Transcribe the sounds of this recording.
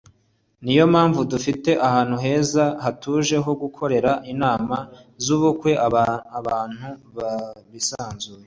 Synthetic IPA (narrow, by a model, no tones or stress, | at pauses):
nijo̞maːɱvudufite̞ʔahaːn̥huɦe̞ːzahatuʒe̞ɦo̞ɡukʰo̞ɾe̞ɾaʔinaːma | zuːβukwe̞ʔaβaːn̥huβaβisaːnzuːje